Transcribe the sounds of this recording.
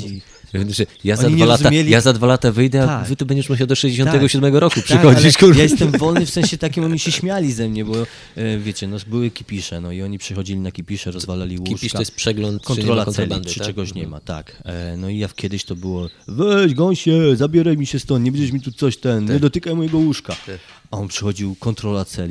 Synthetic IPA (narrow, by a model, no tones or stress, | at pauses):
i | ʂɛjazɔaɲiɲɛalɾatzuamʲjelʲijazad̪valat̪avɘjd̪ɛavɘt̪ubɛɲd͡ʑɛʂmuɕawd̪ɔʂɛʑd͡ʑeɕɔ̃nt̪ɛɡɔɕud̪mɛɡɔɾɔkupʂɨkxɔikjajɛst̪ɛmvɔlnɨfsɛ̃ɕɛt̪akʲimɔɲiɕɛɕmʲjalʲizɛmɲɛbɔ | vʲjet͡ɕɛnɔbɘwɘkʲipʲiʂɛnɔiɔɲipʂɛxɔd͡ʑilʲinakʲipʲiʂɛɾɔzvalalʲiwuʂiʂkaɔjɛst̪pʂɛɡlɔnt̪kɔnɾɔlaɛlʲpʂɨt͡ʂɛɡɔɕɲɛma̰t̪a̰knɔijafkʲjɛd̪ɘɕt̪ɔbɘwɔvɛʑɡɔɲɕɛzabʲɛɾajmʲiɕɛst̪ɔnɲɛbɛɲd͡ʑɛʂmʲit̪ut̪sɔɕt̪ɛnɲɛd̪ɔt̪ɘkajmɔjɛɡɔwuʂka | aɔnpʂɛxɔd͡ʑiwkɔnt̪ɾɔlat̪sɛlʲi